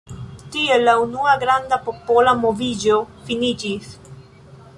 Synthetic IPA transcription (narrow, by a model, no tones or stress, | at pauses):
t̪ielaunuaɡɾand̪apopolamovid͡ʒofinid͡ʒis